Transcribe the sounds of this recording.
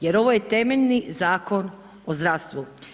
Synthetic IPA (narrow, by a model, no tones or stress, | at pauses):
jeɾo̞ʋojet̪e̞meʎʲnizaːko̞n | ozd̪ɾast̪ʋu